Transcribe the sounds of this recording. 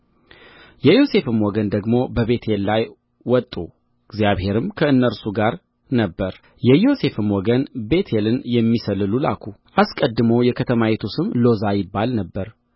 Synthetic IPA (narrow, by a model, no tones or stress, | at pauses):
jɛjo̞se̞fɨmwɔɡənd̪əɡmo̞bəβe̞t̪ʰelːaj | wɔt̪ʼːu | ɨɡzjaβhe̞ɾɨmkʰəɨnːəɾsuɡaɾ | nəbːəɾ | jɛjo̞se̞fɨmwɔɡənbe̞t̪ʰelɨnjɛmːisəlɨlula̰kʰuʔaskʼəd̪ːɨməwjɛkʰət̪ʰəmajet̪ʰusɨmlo̞zajɪbːalnəbːəɾ